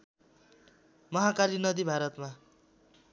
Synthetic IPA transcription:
mʌɦakalinʌd̪ibʱaɾʌt̪ma

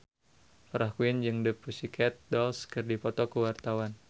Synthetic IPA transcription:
pɾʔahkuɪnd͡ʒɨŋdəpusikʰɛt̪̚dɔlskɨrdipɔt̪ɔkəwart̪awan

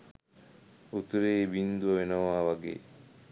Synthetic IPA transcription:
ut̪uɾeːbind̪uɐʋenɐʋaːʋaɡḛː

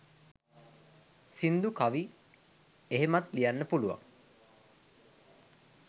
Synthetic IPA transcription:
sind̪ukaʋi | eɦemat̪lijanːəpuluʋa̰ŋ

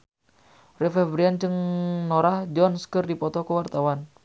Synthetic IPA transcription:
rɛfɛbɾiant͡ʃəŋnɔɾahd͡ʒɔnskərdipɔt̪ɔkəwart̪awan

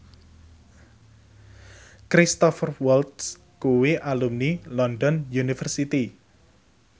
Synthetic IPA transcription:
kɾist̪ɔfrwɔlt̪s | kuwiʔalumnilɔndɔnjunifərsit̪i

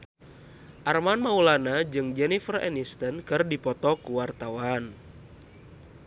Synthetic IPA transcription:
ʔarmanmaulanad͡ʒɨŋd͡ʒɛnifərɛ̰nist̪ɔnkɨrdipɔt̪ɔkuwart̪awan

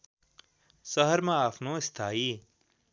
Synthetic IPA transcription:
sɐɦəɾmãaːfʰnõːɪst̪ʰaːiː

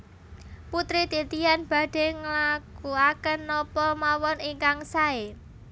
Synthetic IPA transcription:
put̪ɾit̪it̪ijanb̥a̤ɖ̥e̤ŋəlakuakənːɔpɔmawɔniŋkaŋsae

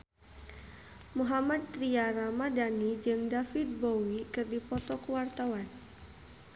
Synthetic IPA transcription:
muɦamat̪ːɾiaɾamadanid͡ʒɨŋdafit̪̚bowikɨrdipɔt̪ɔkuwart̪awan

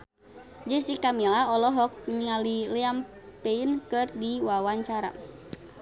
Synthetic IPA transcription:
d͡ʒəsikamilaɔlɔɦɔk̚mialilɛam | peinkɨrdiwawaɲt͡ʃaɾa̰

